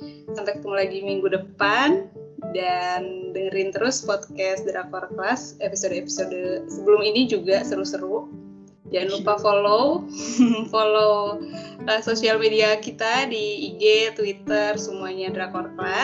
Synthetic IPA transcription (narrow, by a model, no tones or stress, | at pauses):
sampɛkət̪uŋlaɡimiŋɡudəpandanbəɾɪnt̪əɾʊspɔt̪̚kɛsdɾakɔrklasepisodepi̥sodsəbəlʊminid͡ʒuɡasəɾusəɾu | d͡ʒanupafolo | folo | ʔəsosialmediakit̪adiːɡet̪wit̪ərsəmuaɲadɾakɔrkla